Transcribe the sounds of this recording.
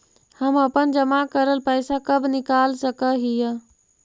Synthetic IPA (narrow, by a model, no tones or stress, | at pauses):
həməpənd͡ʒəmakəɾəlpəɪsakəbʱnikalsəkəɦijə